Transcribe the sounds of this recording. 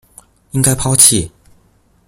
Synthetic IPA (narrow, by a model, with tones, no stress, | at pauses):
i˥ŋka˥ɪpʰɑ˥ʊt͡ɕʰi˥˩